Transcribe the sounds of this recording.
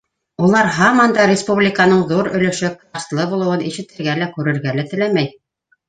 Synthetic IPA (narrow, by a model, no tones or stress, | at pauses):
ulˠɑɾɦɑmɑnd̪ɑɾʲɪspublʲɪkənɤɴðuɾɵ̆lɘ̆ʃɘkɑslˠɤbulˠɤ̆wɤnʔiʃɘ̆t̪ɘ̆ɾɡælækʉɾɘ̆ɾɡælæt̪ɘ̆læmæj